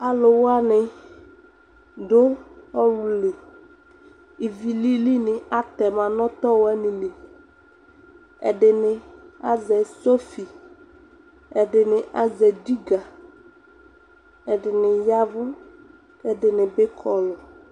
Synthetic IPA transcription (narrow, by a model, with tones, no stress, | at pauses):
a˨lʊ˨wa˦nɪ˨ | dʊ˦ɔ˦wu˨le˨ | i˨vi˨li˦li˦nɪ˨a˦t̪ɛ˨mã˨nɔ˦t̪ɔ˦wɛ˦nɪ̃˨le˨ | ɛ̰˨dɪ˨nɪ˨a˦zɛ˨so˦fi˨ | ɛ˨dɪ˨nɪ˨ʔa˦zɛ˨di˦ɡa˨ | ɛ˨dɪ˨nɪ˨ja˦vʊ˦ | kɛ˦dɪ˨nɪ˨bɪ˦kʰɔ˨lɔ˨